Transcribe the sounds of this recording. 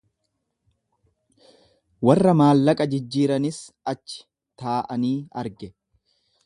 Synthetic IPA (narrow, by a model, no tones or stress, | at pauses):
wɐrːɐmaːlːɐkʼɐd͡ʒɪd͡ʒːiːɾɐnɪs | ɐt͡ʃːɪ̥ | t̪aːʔɐniːɐɾɡɛ